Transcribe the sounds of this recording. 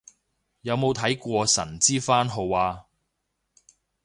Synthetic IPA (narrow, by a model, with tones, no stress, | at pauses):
jɐ˨˧wmo˨˧wt̪ʰɐ˨˥jkʷɔː˧sɐ̰˨˩nt͡siː˥faː˥nɦo˨˧waː˧